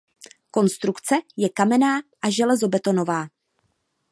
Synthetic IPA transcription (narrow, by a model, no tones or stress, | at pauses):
ko̞nst̪ɾukt͡sɛjɛkamɛnaːʔaʒɛlɛzo̞bɛt̪o̞no̞vaː